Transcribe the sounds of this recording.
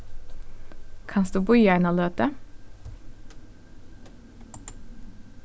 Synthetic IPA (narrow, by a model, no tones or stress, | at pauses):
kʰɑnsd̪ʉːbʊʏæɪnoːløːt̪ə